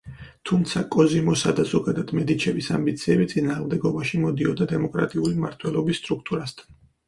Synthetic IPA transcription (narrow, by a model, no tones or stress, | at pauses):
t̪ʰumt̪sʰakʼɔzimɔsad̪azɔɡad̪ad̪̥mɛd̪it͡ʃʰɛbisambit̪sʰiɛbit̪sʼinaːʁmd̪ɛɡɔbaʃimɔd̪iɔd̪ad̪ɛmɔkʼɾa̰t̪ʼiulimaɾt̪ʰwɛlˠɔbisːt̪ʼɾuk̚ʰt̪ʼuɾast̪ʰḁn